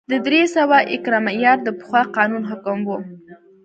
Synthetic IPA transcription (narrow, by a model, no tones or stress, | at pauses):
d̪əd̪ɾesawaʔɪkɾɑmajɑɾd̪əpə̥xwɑqɑnunɦʊkəmwo